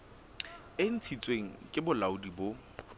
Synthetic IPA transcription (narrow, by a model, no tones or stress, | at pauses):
ɪn̩t͡sʰit͡sʼweŋ̩kʼɪbʊlaʊdibo